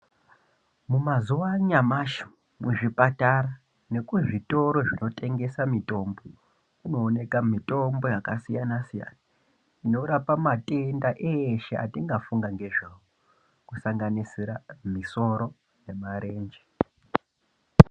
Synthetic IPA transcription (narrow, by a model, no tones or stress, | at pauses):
mumazuʋaɲamaʃi̥ | muʐipataɾa | ne̞kuʐito̞ɾo̞ʐino̞tʰʼe̞ŋɡe̞samitʼo̞ːmbo | kuno̞ːne̞kamitʼo̞mbo̞jakasijanasija̰na | ino̞ɾapamatʼe̞ndaʔeːʃea̰tiŋɡafuŋɡaŋɡe̞ʐaʋo | kusaŋɡanisiɾamiso̞ɾo̞ | ne̞maɾe̞ːnd͡ʒe